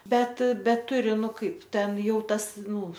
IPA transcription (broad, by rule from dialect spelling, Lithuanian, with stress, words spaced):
ˈbʲɛt ˈbʲɛt ˈtʊrʲɪ ˈnʊ ˈkɐɪp ˈtʲɛn ˈjɛʊ ˈtɐs ˈnuː